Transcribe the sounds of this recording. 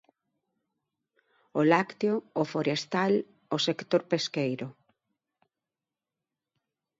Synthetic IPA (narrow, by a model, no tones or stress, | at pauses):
olakt̪eoːfoɾest̪al | osekt̪oɾpeskejɾʊ